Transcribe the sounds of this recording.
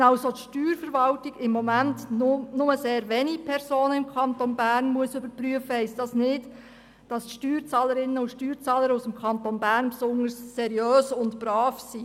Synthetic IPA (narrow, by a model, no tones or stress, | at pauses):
ɑwsot̪ʃtyːɾfəɾʋɑltiɡ̥ɪmːɔmæntnʊməseːɾʋeːnipʰɛrsoːnəɪmkʰɑntonbæːrnmuəsʏbəɾpɾyəfəhɛɪstd̥ɑsnɪd | d̥ɑsʃtyːɾt͡sɑːləɾɪnənʊʃtyːɾt͡sɑːləɾusəmkʰɑntonbæːrnpsʊnəɾsːɛɾijøːsʊntb̥ɾɑːfsiː